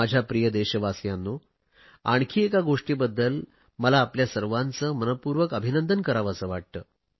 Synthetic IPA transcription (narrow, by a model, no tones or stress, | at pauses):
ad͡ʑʱjapɾijəd̪eɕəʋasjanːo | aɳ̃kʰiːekaɡoʂʈiːbəd̪ːəl | məlaːpljasəɾʋant͡səːmənəpuɾʋəkəbʱinənd̪ənkəɾaʋəsəːʋaʈ̚t̪əː